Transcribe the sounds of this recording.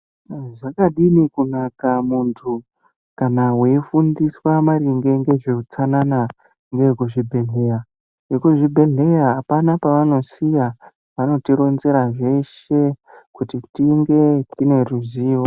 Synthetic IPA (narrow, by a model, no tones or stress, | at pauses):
ʐakaɗinikunakamuntʰu | kanaweifundiswamaɾiŋɡe̞ŋɡe̞ʐeut͡sanana | ŋɡekuʐibʱe̞ɮe̞ra | ekuʐibʱe̞ɮe̞raːpanapaʋano̞sija | ʋano̞tiɾo̞nze̞ɾaʐe̞ʃe̞kutitiŋɡe̞tine̞ruziːo